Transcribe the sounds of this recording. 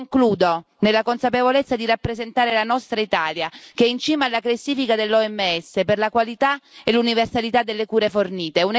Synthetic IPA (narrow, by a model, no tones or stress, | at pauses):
ŋkluːd̪o | nelːakonsapevolet̪sːad̪iɾapːɾezent̪aːɾelanɔst̪ɾait̪aːljakeɛint͡ʃiːmaːlːaklasːiːfikad̪elːɔɛmːeɛsːeperlakwalit̪aeluniversalit̪ad̪ːelːekuːɾeforniːt̪eun